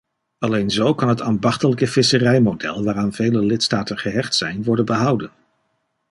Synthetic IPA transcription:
ɑlejnzowkɑnɦətaːnbɑχtələkəv̥ɪsərɛjmodɛ̰lˠʋaːraːnvejləlɪtstaːtənχəɦɛχtsɛjnʋɔɹdənbəɦʌwdən

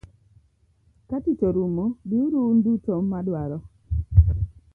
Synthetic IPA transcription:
katitoɾumobiuɾundutɔmːadwaɾɔ

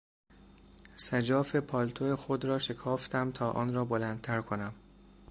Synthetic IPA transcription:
sæd͡ʒɒːfe̞pʰɒːlt̪ʰoexod̪ɾɒːʃe̞kʰɒːft̪ʰæmt̪ʰɒːʔɒ̰ːnɾɒːbolænd̪̚t̪ʰæɾkʰonæm

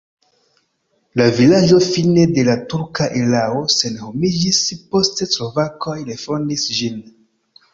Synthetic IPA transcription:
lavilad͡ʒo̞fine̞de̞latuɾkaʔelao̞se̞nho̞mid͡ʒispo̞steslo̞vako̞jlefo̞ndisd͡ʒin

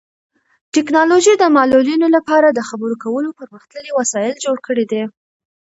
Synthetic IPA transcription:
ʈɪknɑloʒid̪əmɑlulinolapɑɾad̪əxabəɾokawəlopəɾməxt̪ləliwasɑjɪld͡ʒoɽkəɽed̪e

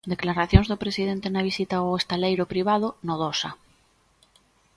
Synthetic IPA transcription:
d̪e̞klaɾaθjonzðopɾesiðent̪enaβ̞isit̪aoest̪alejɾopɾiβ̞að̞onoðosa

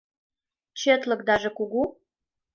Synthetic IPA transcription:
t͡ɕet̪lɤ̆kd̪ɑʒĕkuɣu

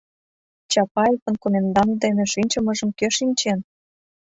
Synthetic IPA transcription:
t͡ɕɑpɑekonkomend̪ɑnd̪eneʃinʲt͡ɕə̆mɤ̆ʒə̆mkøʃinʲt͡ɕen

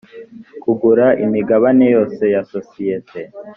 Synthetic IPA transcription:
kuɡuɾaʔimiɡaβanejo̞ːse̞jasosijetʰe

